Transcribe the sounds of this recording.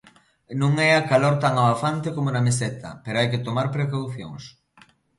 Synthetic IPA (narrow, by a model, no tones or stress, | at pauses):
nũŋɛakaloɾt̪aŋaβafant̪ekomonɐmeset̪ʰɐ̰peɾoajkɪt̪omaɾpɾekawθjo̰ŋs